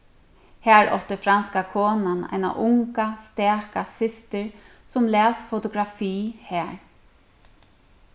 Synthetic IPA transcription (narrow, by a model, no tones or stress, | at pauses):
hæːɹʔɔ̰ht̪ɪfɾanskakʰɔːnana̰jna̰ʔʊŋkast̪ɛːkasɪst̪ɪɹ | sʊmlɛːsfɔt̪ʊɡɾafiːhæːɹ